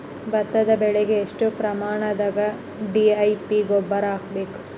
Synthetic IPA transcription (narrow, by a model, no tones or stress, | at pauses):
bɐt̪ːɐd̪ɐbɛɭeɡeːʂʈupɾɐmaːɳɐd̪ɐɡɐ | ɖiɐjpiɡɔbːɐɾaːk̚beːku̥